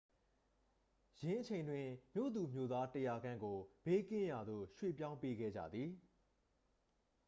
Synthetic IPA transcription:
jɪ̃˨ʔət͡ɕʰẽ˨ɪ̃ndwɪ̃˨mjo̰˦˨d̪u˨mjo˦t̪a˦tə˨ja˨ɡã˦ŋɡo˨b̥e˦kɪ̃˦ja˨d̪o̰˦˨ʃwḛ˦˨pjã˦ʊ̃mpe˦ɡɛ̰˦˨d͡ʑä̰˦˨d̪ði˨

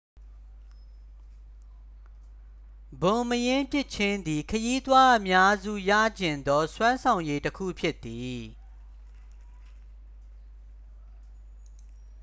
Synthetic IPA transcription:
bõ˨məjɪ̃˦mpjɪ˦˨ʔt͡ɕʰɪ̃˦nd̪i˨kʰəji˦t̪wa˦ʔəmja˦zṵ˦˨jä̰˦˨d͡ʑɪ̃˨nd̪ɔ˦swã˦nsʰã˨ʊ̃je˦təkʰṵ˦˨pʰjɪ˦t̪ːi˨

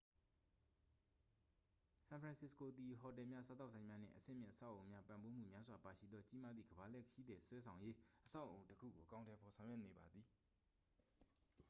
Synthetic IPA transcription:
sã˨pʰɹã˨sɪ˦sko˨d̪i˨ɦɔ˨tɛ˨mja̰˦sa˦t̪̬a˦ʊʔsã˨ɪ̃mja˦n̥ɪ̰̃˦˨ʔəsɪ̰̃˦˨mjɪ̰̃˦˨ʔəsa˦˨ʔõ˨ʊ̃mja˦pã˨mbo˦m̥ṵ˦˨mja˦zwa˨pa˨ʃḭ˦˨d̪ðɔ˦t͡ɕi˦ma˦d̪ðḭ˨ɡəba˨lɛ˦˨kʰji˦d̪ðɛ˨swɛ˦sʰã˨ʊ̃je˦ʔəsa˦ʊʔõ˨ʊ̃təkʰṵ˦˨ɡo̰˨ʔəkã˦ʊ̃ntʰɛ˨pʰɔ˨sʰã˨ʊ̃jwɛ˦˨ne˨ba˨d̪ði˨

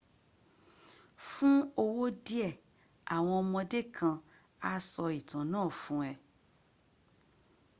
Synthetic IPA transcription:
fũ˦o˧wo˦di˦ɛ˦˨ | a˨w̃ɔ̃˧ɔ˧mɔ̃˧de˦kʰã˧ | a˧sɔ˧i˨tã˨nãː˦˨fũ˨˦ɛ˨

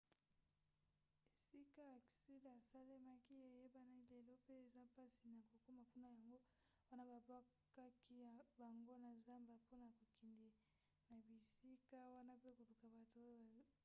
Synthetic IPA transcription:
e˨si˦ka˦˨ki̥˨si˦la˨sa˦le˦ma˦ki˦e˨je˦ba˦na˦i˦le˨lo˦pe˦e˨za˦pa˦si˨na˨ko˨ko˦ma˨ku˦na˨ja˨ŋɡo˦ | wa˦na˦ba˨ba˦ | ka˦kʰi˦ja˨ba˨ŋɡo˦na˨za˦mba˨po˦na˨ko˨kʰi˨ndi˨ | na˨bi˨si˦ka˦wa˦na˦pe˦ko˨lu˨ka˨ba˨to˨˦ba˨

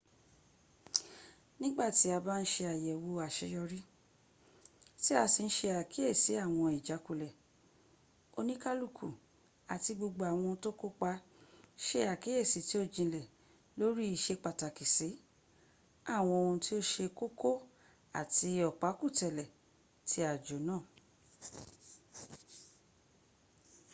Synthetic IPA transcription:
nĩ˦ɡ͡ba˦˨ti˨˦a˧ba˦n̩˦ʃe˧a˨jɛ˨wo˧a˨ʃe˧jɔ˧ɾi˦ | ti˦a˧si˧ñ̩˦ʃe˧a˨kʰi˨˦e˦˨si˨˦a˦˨w̃ɔ̃˧i˨d͡ʒa˨˦ku˦˨lɛ˨ | o˧nĩ˦ka˦lu˦˨kʰu˨ | a˨ti˧ɡ͡bo˧ɡ͡bo˧a˨w̃ɔ̃˧to˦ko˦k͡pa˧˦ʃe˧a˨ki˨˦e˦˨si˨˦ti˦o˦d͡ʒĩ˧lɛ˨ | lo˦ɾi˦i˦˨ʃe˧˦k͡pa˧˨ta˨ki˨si˨˦ | a˦˨w̃ɔ̃˧o˧ũ˧ti˦o˦ʃe˧ko˦ko˦ | a̰˦˨ti˧ɔ˨k͡pa˨˦ku˦˨tɛ˨lɛ˨ | tʰi˦a˨d͡ʒo˨˦nãː˦˨

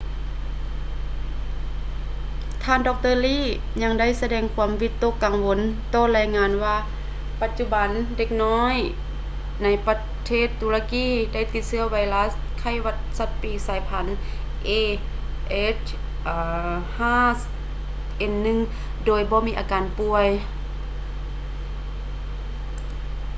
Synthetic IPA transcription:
t̪ʰaː˧˨ndɔː˧k̚t̪ɤː˧˨liː˧˥˨ | ɲa˧ŋda˥˨jsa˧dɛː˧ŋkʰu˧˦əmwiː˧˥t̪ːo˧˥˨kːa˨ŋwo˧˦nt̪ɔː˧laː˧˩jŋaː˧˥nwaː˧ | pa˧t̪̚t͡ɕu˧˥ba˨˦nde˧k̚nɔː˧˥˨j | na˧˩jpa˧ | t̪ʰeː˥˩t̪ːuː˧la˧kiː˧˨da˥˩˨jt̪i˧t̪̚sɯ˧˨ɐwa˧jlaː˧˥s | kʰa˧˩jwa˧t̪̚sa˧˥t̪̚piː˧˩saː˨˦jpʰa˨˦n | ʔeː˧˩ | ʔe˧˥t͡ɕʰ | ʔːhaː˥˩˨ | ʔe˧nːɯ˧˨ŋ | doː˨˧˩jbɔː˧˦miː˧˥ʔaː˨˧kaː˨npu˧əj

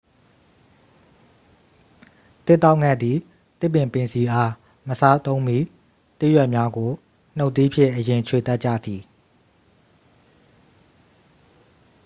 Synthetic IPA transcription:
t̪ɪ˦ʔt̪ːa˦ʊʔŋɛ˦˨d̪i˨ | t̪ɪ˦˨pːɪ̃˨mpɪ̃˨nsʰi˨ʔa˦ | məsa˦t̪õ˦ʊ̃mbi˦ | t̪ɪ˦ʔjwɛ˦ʔmja˦ɡo˨ | n̥o˦ʊʔt̪ːi˦pʰjɪ̰̃˦˨ʔəjɪ̃˨t͡ɕʰwe˨t̪a˦t̚t͡ɕä̰˦˨d̪i˨

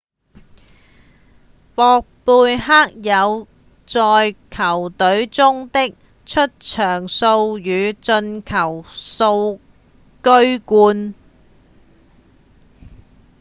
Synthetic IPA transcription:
pɔː˨˧k̚puː˧jɦaː˥k̚jɐ˨˧w | t͡sɔː˨˧jkʰɐ˨˩wt̪ɵ˨˥ɥt͡sʊ˥ŋt̪ɪ˥k̚ | t͡ʃʰɵ˥t̚t͡ʃʰœː˨˩ŋso˧wjyː˨˧t͡ʃɵ˧nkʰɐ˨˩wso˧w | kɵ˥ɥkuː˧n

